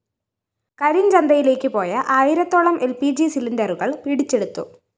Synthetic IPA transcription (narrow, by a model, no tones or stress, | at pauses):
kɐɾind͡ʑɐnd̪ɐjile̞ːkʲːɨpo̞ːjɐʔɐːjiɾɐt̪ːoːɭɐmʔe̞lpid͡ʑisilindɐruɣɐɭpiɽit͡ɕːe̞ɽut̪ːṵ